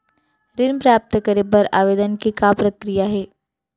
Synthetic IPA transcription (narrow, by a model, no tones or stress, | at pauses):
ɾɪnpɾjaːp̚t̪əkɐɾebɐɾa̰ːʋeːd̪ənkikapɾɐkɾijaɦɛː